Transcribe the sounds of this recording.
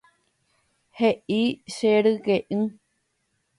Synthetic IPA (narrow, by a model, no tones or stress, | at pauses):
heʔiʃeɾɨkeʔɨ̃